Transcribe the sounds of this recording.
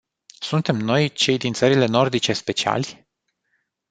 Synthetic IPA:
sunt̪e̞mno̞jt͡ʃe̞jd̪int̪səɾile̞no̞rd̪it͡ʃe̞spe̞t͡ʃia̰lʲ

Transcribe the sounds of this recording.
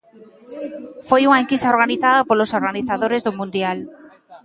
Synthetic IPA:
fojuŋaeŋkist̪aoɾɣaniθaðapolosoɾɣaniθaðoɾezðomũnd̪jal

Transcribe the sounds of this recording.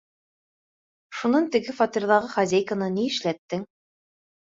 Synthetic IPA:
ʃunɑnt̪ɘ̆ɡɘfɑt̪iɾðɑʁɤχɑzʲejkənɤniɘ̆ʃlæt̪ːɘŋ

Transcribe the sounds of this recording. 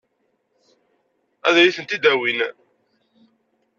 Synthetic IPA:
æðɾiθənt̪id̪æwin

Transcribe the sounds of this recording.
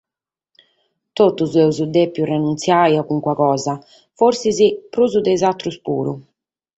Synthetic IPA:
t̪ot̪ːuzɛuzud̪epːjurenunt̪sjajakuŋkwakɔːza | foɾsizipɾuːzud̪ɛizat̪ːɾuspṵːɾṵ

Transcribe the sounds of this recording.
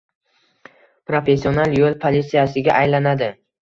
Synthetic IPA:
pɾofe̞sːionalˠjolˠpʰolʲit̪sijasɪɡʲaʔajlanad̪ɪ

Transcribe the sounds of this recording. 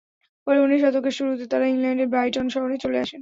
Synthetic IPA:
pɔɾeuniʃɔt̪okeɾʃuɾut̪et̪aɾaiŋlɛɳɖeɾbɾajʈonʃɔɦoɾet͡ɕoleaʃen

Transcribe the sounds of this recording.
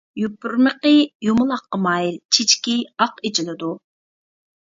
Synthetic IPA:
jupːuɾməqəjumʊlˠɑqːəmɑjɾt͡ʃʰit͡ʃkʲiɑqet͡ʃʰilˠɨd̪u

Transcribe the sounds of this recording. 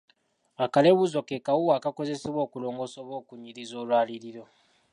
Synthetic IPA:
akale̞βuzo̞kekawuwaːkako̞ze̞seβwo̞ːkulo̞ːŋɡo̞soβo̞ːkuɲiɾizo̞ːlwaːliɾiɾo̞

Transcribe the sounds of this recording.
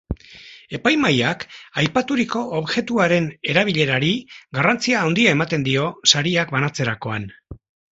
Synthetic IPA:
e̞pajmajakajpat̪uɾiko̞ʔoβʝe̞t̪uaɾe̞ne̞ɾaβ̞iʎe̞ɾaɾiɡarant͡siaːwnd̪iae̞mat̪e̞nd̪io̞saɾiakbanat͡se̞ɾako̞a̰n

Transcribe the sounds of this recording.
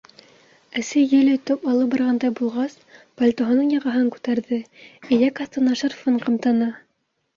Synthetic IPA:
æsɘjɘlɵ̆jt̪opɑlˠɤp̚bɑɾʁɑnd̪ɑjbulˠʁɑs | pɐlʲt̪oɦɤ̆nɤɴjɑʁɑ̆ɦɤŋkʉ̥t̪æɾðɘĭjækɑst̪ɤnɑʃɤrfɤɴqɤ̆mt̪ɑnɑ

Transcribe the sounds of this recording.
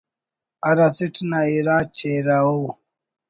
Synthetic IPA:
aɾasitnaiɾat͡ʃeɾawo

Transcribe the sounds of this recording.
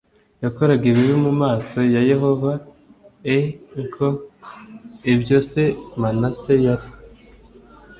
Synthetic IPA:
jakoɾaɡeβiβimumaːso̞jaje̞ho̞va | eŋkʰo | ibjo̞se̞manase̞jaɾi

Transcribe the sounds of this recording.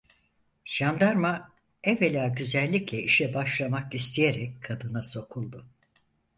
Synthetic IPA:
ʒ̥and̪aɾma | ɛvelʲaːɟyzɛlʲːiclʲɛiʃɛbaʃlˠamakist̪ʰijeɾɛckʰːad̪ɯnaso̞kʰulˠd̪ʊ

